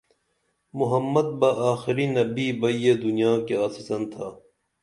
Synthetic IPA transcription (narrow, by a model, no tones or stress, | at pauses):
mʊɦɐmːɐd̪̚bɐʔaːxɪɾinɐbiːbɐjed̪unijaːkeaːsɪsɐnt̪ʰaː